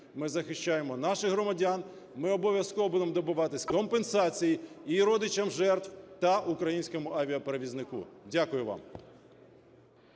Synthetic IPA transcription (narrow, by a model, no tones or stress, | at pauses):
mɪzɐxɪʃt͡ʃajemɔnɑʃɪxɦrɾɔmɐdʲan | mɪɔbɔʋʲjɐskɔʋɔbud̪emɔd̪ɔbʊʋɑt̪ɪsʲkɔmpensɑt͡sʲijiiɾɔd̪ɪt͡ʃɐmʒɛrt̪wt̪ɐʔukɾɐjinʲsʲkɔmʊʔɐʋʲiɐpeɾeʋʲiznɪkṵdʲakʊjʊʋɑ̰m